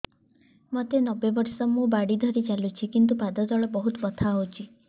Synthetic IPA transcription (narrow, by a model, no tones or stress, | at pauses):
mɔt̪enɔbebɔɾsɔmũbaɽid̪ʱɔɾit͡ʃalut͡ʃʰikint̪upad̪ɔd̪ɔɭɔbɔɦut̪bɔt̪ʰaɦot͡ʃʰi